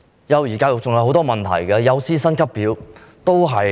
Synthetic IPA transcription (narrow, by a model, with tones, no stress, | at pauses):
jɐ˨˧wjiː˨˩kaː˧wjʊ˨k̚t͡sʊ˨ŋjɐ˧whɦwt̪ɔː˥mɐ˨˩nt̪ʰɐ̰˨˩jkɛ˧jɐ˨˧wsiː˥sɐ˥nkʰɐ˥pːiː˨˥wt̪o˥wɦɐ˨j